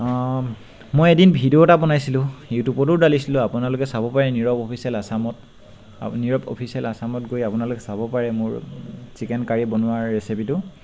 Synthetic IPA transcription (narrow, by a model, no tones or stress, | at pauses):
mojedinbʱidiotapɔnajsilʊ̃ewtupɔt̬ʊɹdalisilʊ̃apʊnalʊkɛsabɔpaɹɛniɹɔpɔpʰisiɛlasamɔt | niɹɔpo̰pʰisiɛlasamɔtɡojapʊnalʊkɛsabɔpaɹɛmʊɹsikɛnkaɹibɔnʊwaɹːesipitʊ